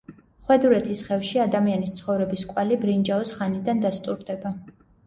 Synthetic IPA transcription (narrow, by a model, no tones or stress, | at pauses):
χwɛd̪uɾɛt̪ʰisχɛfʃiad̪amianist̪sʰχɔvɾɛbiskʼwalibɾind͡ʒaɔsχanid̪and̪ast̪ʼuɾd̪ɛba